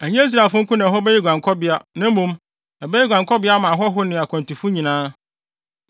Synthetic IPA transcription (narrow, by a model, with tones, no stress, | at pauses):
æ˨ɲɛ̃˦i˦s̬ɾa˨fʊ̃˦ŋ̩˦kʊ̃˦nã˨ɦɔ˦bɛ˦jɛ˦ɡʷã˨ŋkʰɔ˦bɪ˦a˦nã˦m̩˦mũ˦m | ɛ˨bɛ˦jɛ˦ɡʷã˨ŋkʰɔ˦bɪ˦a˦mã˨ɦɔ˦ɦʊ˦nɪ̃˨a˨kʰã˨ntʰi˨fʊ˦ɲĩ˨nãː˦